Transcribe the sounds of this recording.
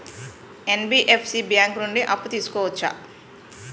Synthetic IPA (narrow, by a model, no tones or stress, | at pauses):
enbiːʔepʰsibjaːŋknuɳɖiʔɐpːut̪iːsu̥kɔːʋɐt͡ʃːa̰